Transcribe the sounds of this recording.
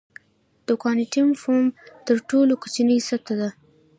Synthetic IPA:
d̪̥ʊkɑniʈimfomt̪əɾʈolokat͡ʃinijsat̪ad̪a

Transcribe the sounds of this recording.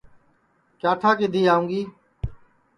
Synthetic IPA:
kaːt̪ʰaːkɪd̪ʱiːaːũːŋɡiː

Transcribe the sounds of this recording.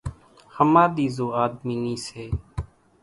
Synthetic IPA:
həmãːd̪iːzoːaːd̪miːniːseː

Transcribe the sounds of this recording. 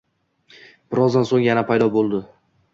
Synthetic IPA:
b̥ɪɾɒzd̪ansoŋjanapʰajd̪ɒbolˠd̪ɪ

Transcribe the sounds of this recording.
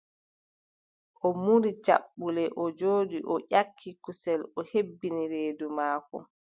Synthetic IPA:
ʔɔmuɾit͡ʃa̰ɓːulɛʔɔd͡ʒoːdiʔɔʔakʰːikusɛlɔhebːiniɾeːdumaːkɔ̰

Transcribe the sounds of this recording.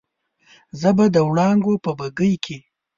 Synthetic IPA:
zəbad̪əwɽɑŋɡopəbəɡəjkʰe

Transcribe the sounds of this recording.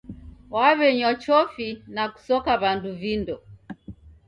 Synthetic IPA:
waβɛɲɔt͡ʃɔfinaku̥sɔkaβanduvindɔ

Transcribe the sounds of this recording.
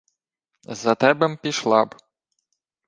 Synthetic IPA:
zɐt̪ɛbɛmpʲiʃlˠɑb

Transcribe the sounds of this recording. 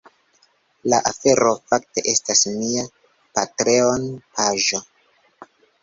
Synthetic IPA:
laʔafe̞ɾo̞fak̚te̞ʔe̞stasmia | patɾe̞onpaʒo̞

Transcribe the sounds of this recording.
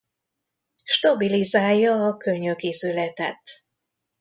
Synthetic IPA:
ʃt̪ɒbilizaːjːɒːkøɲøkizylɛt̪ɛ̰t̪

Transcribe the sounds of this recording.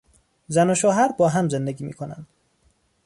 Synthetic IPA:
zænoʃoːɦæɾbɒːɦæmzend̪eɡʲiːmḭːkʰonæ̰nd̪̥

